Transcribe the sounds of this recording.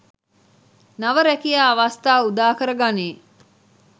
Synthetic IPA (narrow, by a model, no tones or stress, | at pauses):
nɐʋɐɾækijaːɐʋast̪aːud̪aːkəɾɐɡaniː